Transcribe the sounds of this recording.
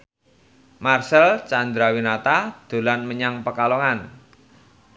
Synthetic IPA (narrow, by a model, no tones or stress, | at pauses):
marsɛlt͡ʃand̪ɾawinat̪ad̪̥o̤lanməɲaŋpəkalɔŋan